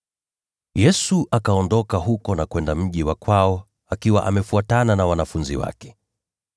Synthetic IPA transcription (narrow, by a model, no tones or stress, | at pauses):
jɛsuʔakaɔndɔkaɦukɔnakwɛndam̩ʄiwakwaɔ | akiwa̰ʔa̰mɛfuatananawanafunzḭwa̰kɛ̥